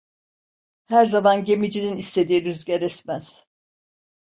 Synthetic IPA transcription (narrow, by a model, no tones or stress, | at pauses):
hæɾzamanɟe̞mid͡ʒininist̪ʰe̞d̪iːiɾyzɟeɾɛsmæz̥